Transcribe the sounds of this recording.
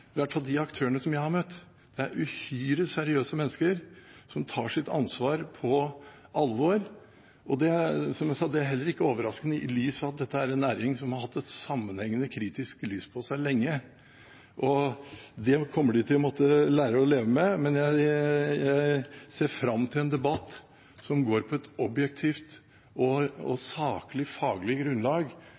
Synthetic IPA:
ɪʋæʈfɑld̪ɪɑkt̪ʰøːənəsɔmjæɪhɑɾmœt̪ː | d̪̥ɛæɾʔʉhyːɾəsæɾɪøːsəmɛnːəskəɾsɔmt̪ʰɑːʂɪt̪ɑ̰nsʋɑːɾpʰɔʔɑlʋɔɾ | ʔɔd̪ɛsɔmjæsɑd̪ɛæɾɦɛlːəɾɪkːəoːʋəɾɑskənəɪlyːsɑt̪̚d̪ɛt̪ːəæɾɛnːæːɾɪŋsɔmhɑɾhɑt̪ːɛt̪sɑmːənhɛŋːənəkʰɾiːt̪ɪsklyːspʰɔsæɪlɛŋːə | ʔɔd̪ɛkʰɔmːəɖɪt̪ʰɪlːɔmɔt̪ːəlæːɾəɔleːʋəmɛmɛnjæɪjæɪseːɾfɾɑmːt̪ʰɪlɛnd̪ɛbɑt̪ː | sɔmɡoːɾpʰɔɛt̪ɔbjɛk̚t̪ʰiːft̪ | ʔɔɔ̰sɑːkəlɪfɑːɡlɪɡɾʉnlɑːɡ

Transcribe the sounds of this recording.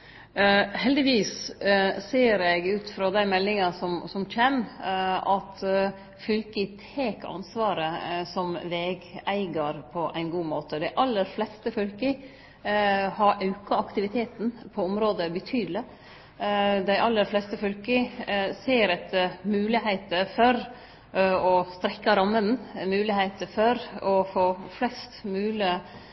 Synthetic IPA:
hɛld̪ɪʋiːs | seːɾɛɡʉːt̪fɾɑd̪æɪmɛlːɪŋɑsɔmsɔmc͡çɛm | ɑt̪ | fʏlkət̪ʰeːkɑ̰nsʋɑːɾəsɔmʋeːɡæɪɡəɾpʰɔʔæ̰ɪnɡuːmoːt̪əd̪æɪʔɑlːəɾflɛst̪əfœlkə | hɑɾʔɑʉkɑɑkt̪ɪʋɪt̪ʰeːt̪n̩pʰɔɔmɾoːd̪əbət̪ʰyːd̪lɪ | d̪æɪʔɑlːəɾflɛst̪əfœlkəseːɾɛt̪mʉːlɪhæɪt̪əfɔɾ | ɔst̪ɾɛkːɑɾɑmːənn̩mʉːlɪheɪt̪əfɔɾɔfoːflɛst̪mʉːlɪ

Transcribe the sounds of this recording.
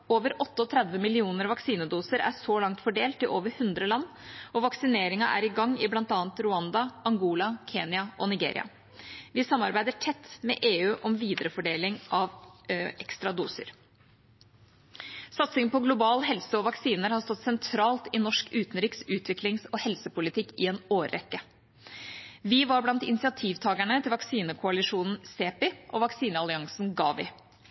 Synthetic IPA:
oːʋəɾʔɔt̪ːəɔt̪ʰɾɛd̪ʋəmɪlɪuːnəɾʋɑksiːnəd̪uːsəɾæ̰ʂɔlɑŋt̪fɔɖeːlt̪ɪʔoːʋəɾhʉnd̪ɾəlɑnː | ɔʋɑksɪneːɾɪŋɑʔæ̰ɾɪɡɑŋːɪblɑnt̪ɑːnt̪ɾʊɑnd̪ɑɑŋɡuːlɑkʰeːnɪɑʔɔnɪɡḛːɾɪ̰ɑ̰ | ʋɪsɑmːɑɾbæɪd̪əʈʰɛt̪ːmɛ̰ʔeːʉːʔɔmʋiːd̪əɾəfɔɖeːlɪŋʔɑʋʔɛkst̪ɾɑd̪uːsə̰ɾ | sɑt̪sɪŋnpʰɔɡlʊbɑːlɦɛlsəɔʋɑksiːnəɾhɑst̪ɔt̪sɛnt̪ʰɾɑːlt̪ɪnɔʂkʉːt̪n̩ɾɪːksʉːt̪ʰʋɪklɪŋsɔhɛlsəpʊlɪt̪ʰɪkːɪɛnoːɾːɛ̰kːə | ʋɪʋɑɾblɑnt̪ɪ̰nɪsɪɑt̪ʰiːʋt̪ʰɑːɡæɳət̪ʰɪlʋɑksiːnəkʰʊɑlɪʂuːnn̩seːpɪʔɔʋɑksiːnəɑlɪɑŋsn̩ɡɑ̰ːʋɪ̰

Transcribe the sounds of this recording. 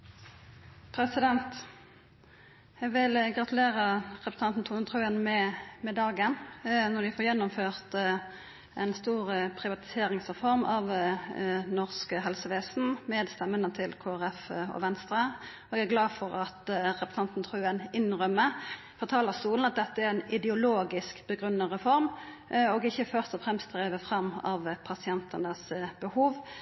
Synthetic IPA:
pʰɾɛsɪd̪ɛnt̪ | jɛɡʋɪlɡɾɑt̪ʉleːɾəʁɛpɾə̥t̪ɑnt̪n̩t̪ʰuːnt̪ʰʁʉːənmɛmɛd̪ɑːɡənnɔd̪ɪfoːʁjɛnːʊmføːʁt̪ | ɛnst̪uːʁəpʰʁɪʋɑt̪ɪ̥seːɾɪŋsʁɛfɔʁmɑʋ | nɔʁskəɦɛlsəʋeːsn̩meːd̪st̪ɛmːənət̪ʰɪlkʰoːæɾɛfɔ̰ʋɛnst̪ɾə | ɔɛɡæʁɡlɑːdfɔɾɑt̪ʁɛpsɑnt̪nt̪ʰʁʉːɛnɪnɾœmːə | fɔʁt̪ʰɑːləʁst̪uːln̩ɑt̪̚d̪ɛt̪ːəæɾɛnɪd̪ɛʊloːɡɪskb̥əɡʁʉnːɑʁɛfɔɾm | ɔɡɪçːəfœʁst̪ɔfʁɛmst̪ʁeːʋəfʁɑmːɑʋpʰɑsɪɛnt̪ənəsbəhuːʋ

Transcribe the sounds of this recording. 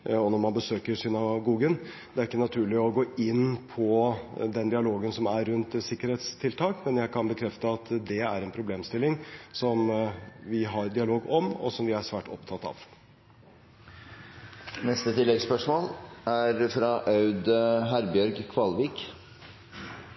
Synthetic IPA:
ɔnɔɾmɑnbəsøːkəɾsʏnɑɡuːɡən | d̪̥ɛæɾɪkːənɑt̪ʰʉːɭɪɔɡoːɪnːpʰɔd̪ɛnd̪ɪɑloːɡənsɔmæɾːʉnt̪sɪkːəɾheːt̪st̪ʰɪlt̪ʰɑːkmɛnjæɪkʰɑnbəkʰɾɛft̪əɑt̪d̪ɛæɾɛnpʰɾʊbleːmst̪ɪlːɪŋsɔmʋɪɦɑɾd̪ɪɑloːɡɔmɔ̰sɔmʋɪæʂʋæːʈʰɔ̰pt̪ʰɑt̪ːɑ̰ːʋ | nɛst̪ət̪ʰɪlːɛɡspœʂmoːlæɾfɾɑʔɑʉd̪ɦæɾbjœɾɡkʰʋɑlʋiːk

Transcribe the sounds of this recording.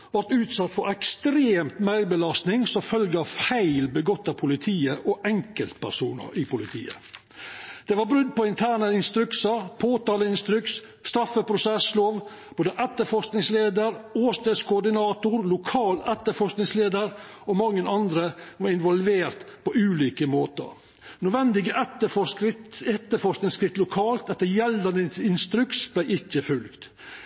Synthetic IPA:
ʋɑɾʈ̪ʉːt̪sɑt̪ːfɔɾɛkst̪ɾeːmt̪mæɪbəlɑst̪nɪŋsɔfœlɡəɑʋfæɪlbəɡɔt̪ːɑpʰʊlɪt̪ʰiːəʔɔʔɛŋkəlt̪pʰæ̰ɾsuːnə̰ɾɪpʊlɪt̪ʰḭːə̰ | d̪̥ɛʋɑɾbɾʉd̪̚ːpɔɪnt̪ʰæːɳəɪnst̪ɾʉksəɾpʰoːt̪ɑːləɪnst̪ɾʉks | st̪ɾɑfːəpʰɾʊsɛsloːʋ | b̥oːd̪əʔɛt̪ːəfɔɾsknɪŋsleːd̪əɾoːst̪eskʰʊʊɖ̪ɪnɑːt̪ʊɾlʊkʰɑːlɛt̪ːəɾfɔsknɪŋsleːd̪əɾ | ɔmɑŋːənɑnd̪ɾəʋɑɾɪnʋɔlʋeːɾt̪pʰɔʔʉːliːkəmoːt̪ə̰ | nøʋɛnd̪ɪɡəʔɛt̪ːəfɔɪtɛt̪ːəfɔsknɪŋskɾɪft̪lʊkʰɑːlt̪ɛt̪ːəjɛld̪ənəɪnst̪ɾʉksb̥læɪʔɪçːəfʉlkt̪

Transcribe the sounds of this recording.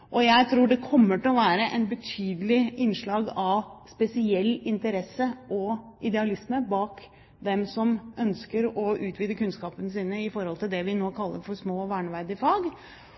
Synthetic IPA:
ʔɔjæɪt̪ʰɾuːɖɛkʰɔmːəʈɪlɔʋæːɾəʔɛnbət̪ʰyːd̪əlɪɪnːʂɭɑːɡɑʋspɛsɪɛlːɪnt̪əɾɛsəʔɔʔɪd̪ɛɑlɪsməbɑːk | d̪ɛmsɔmʔœnskəɾɔʉːt̪ʋiːd̪əkʉnskɑːpənəsiːnəɪfɔɾhɔlt̪ɪld̪ɛʋɪnoːkʰɑlːə̰ɾfɔɾsmoːʋæːɳʋæɾd̪ɪfɑːɡ

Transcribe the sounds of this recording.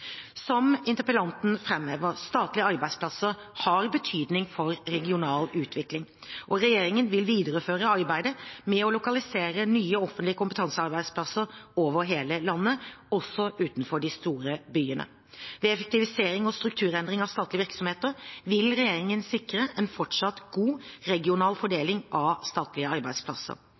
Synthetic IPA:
sɔmɪnt̪əpəlɑnt̪n̩fɾɛmːɛʋəɾst̪ɑːt̪lɪəɑɾbæɪspʰlɑsə | hɑɾbət̪ʰyːd̪nɪŋfɔɾɾɛɡɪʊnɑːlʉːt̪ʰʋɪklɪŋ | ʔɔɾɛjeːɾɪŋənʋɪlʋiːd̪əɾəføːɾəɑɾbæɪd̪əmɛɔlʊkɑlɪseːɾənyːəɔfənt̪lɪəkʊmpət̪ʰɑnsəɑɾbæɪd̪splɑsəɾoːʋəɾɦeːləlɑnːəɔsːɔʔʉːt̪n̩fɔɖɪst̪uːɾəbyːənə̰ | ʋɛɛfək̚t̪ɪʋɪseːɾɪŋɔst̪ɾʉk̚t̪ʰʉːɾɛnd̪ɾɪŋɑʋst̪ɑːt̪lɪəʋɪɾksɔmheːt̪əɾʋɪlɾɛjeːɾɪŋənsɪkːɾəʔɛnfɔʈʂɑt̪ɡ̥uːɾɛɡɪʊnɑːlfɔɖeːlɪŋʔɑʋst̪ɑːt̪lɪəɑɾbæɪspʰlɑ̰sə̰ɾ

